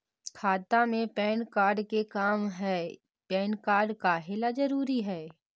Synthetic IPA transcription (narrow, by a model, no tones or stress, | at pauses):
kʰaːt̪amẽpɛːnkaːɾɖkekaːmɦɛː | pɛːnkaːɾɖkaɦelad͡ʒɐɾuːɾiɦɛː